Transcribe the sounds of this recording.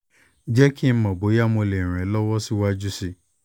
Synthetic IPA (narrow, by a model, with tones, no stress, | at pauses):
d͡ʒɛ˦ki˦mɔ̃˨bo˨˦ja˦mo˨˧˨le˨ɾ̃ɛ̃˨˦lɔ˦wɔ˦si˦wa˦d͡ʒu˦si˦